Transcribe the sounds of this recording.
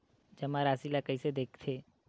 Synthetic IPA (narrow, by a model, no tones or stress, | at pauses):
d͡ʒɐmaɾaːsilakɐised̪eːkʰt̪ʰeː